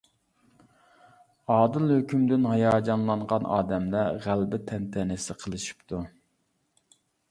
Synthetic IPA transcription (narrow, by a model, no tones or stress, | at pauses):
ɑːd̪ɨlˠhøkʲʰymd̪ɪnhɑjɑːd͡ʒɑnlˠɑɴʁɑnʔɑ̰ːd̪ɛmlɛʁælbɪt̪ʰɛnt̪ʰɛnɪsɪqʰəlˠɨʃi̥pt̪ʰu